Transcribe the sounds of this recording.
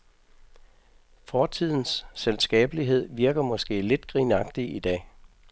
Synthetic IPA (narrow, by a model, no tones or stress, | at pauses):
fɒːt͡sʰið̰ˠn̩sːelsɡ̥ɛ̰ːb̥əliɦe̝ð̰ˠʋiɐɡ̥ɐmɒ̽sɡ̥e̝̰ːle̝d̥ɡ̥ʁiːnɑ̈ɡ̥d̥iid̥ɛ̰ː